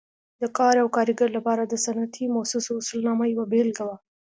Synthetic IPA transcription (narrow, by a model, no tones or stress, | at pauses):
d̪əkɑɾawkɑɾiɡaɾlapɑɾad̪əsanat̪ʰimasusoʊsʊlnɑmajwabelɡawa